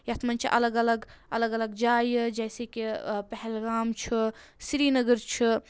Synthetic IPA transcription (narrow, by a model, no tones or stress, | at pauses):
jɐt̪ʰmɐnt͡ʃʰiʔɐ̰ləɡɐləɡɐləɡɐləɡd͡ʒaːjd͡ʒɛːsekipɛɦɛlɡaːmt͡ʃʰisɾiːnəɡəɾt͡ʃʰi